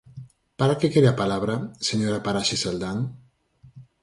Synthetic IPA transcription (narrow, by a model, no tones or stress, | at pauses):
paɾakekeðapalaβɾaseɲoɾapaɾaʃesald̪aŋ